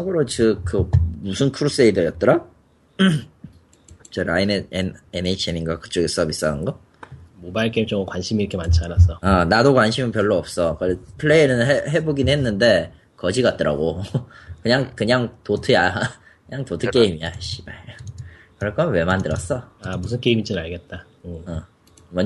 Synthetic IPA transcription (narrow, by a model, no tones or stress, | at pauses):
saɡɯɾot͡ɕɯk͈ɯmusʰɯnkʰuɾus͈eidɯjʌt̚t͈ʌɾa | t͡ɕʌɾaineeneneit͡ɕʰeninɡwakɯ̥t͡ɕ͈oɡes͈ʌbis͈aɯnɡʌ | mobaiɭk͈eimt͡ɕ͈ʌŋokwanɕʰimiɾʌkʰemant͡ɕʰianas͈ʌanadokwanɕʰimɯnpjʌɭːoʌp̚s͈ʌkʌpʰɯɭːeiɾɯnɦeɦe̞boɡinɦe̞nːɯnde̞ | kʌd͡ʑiɡat̚t͈ʌɾʔa̰ɡokɯɲaŋkɯɲaŋtotʰɯja | kɯɲaŋtotʰɯk͈e̞imiaaɕ͈iba | kɯɾʌɭk͈ʌmwe̞mandɯɾʌs͈ʌamusʰɯnkeimit͡ɕ͈inɯaɭɡe̞t̚t͈a | ɯʌ | mʌ